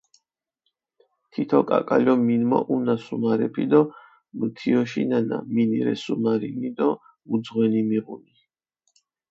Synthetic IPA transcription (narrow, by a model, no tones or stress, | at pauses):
t̪ʰit̪ʰɔkʼa̰kʼalɔminmɔ̰ʔunasumaɾɛpʰid̪ɔ | mət̪ʰiɔʃinana̰miniɾɛ̰sumaɾinid̪ɔ | ud̪zʁwɛnimiʁṵni